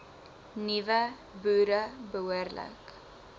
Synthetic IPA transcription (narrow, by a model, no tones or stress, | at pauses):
nivə | bʉːɾəbəuərlə̰k